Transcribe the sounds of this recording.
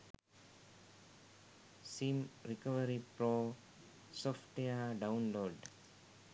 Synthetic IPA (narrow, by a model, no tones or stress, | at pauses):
simɾikəʋəɾipɾoː | sɔfʈejaɖaʊnloːɖ